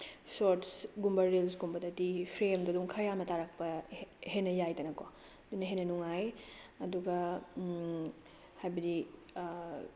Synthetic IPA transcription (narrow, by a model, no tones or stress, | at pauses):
soɾtsɡumbɐɾilsɡumbɐdɐtipʰɾemdɐduŋkʰɐjamɐtaɾak̚pɐhenːɐjajtɐnɐko | dunːɐɦenːɐnuŋaj | ɐduɡɐ | hajbɐdi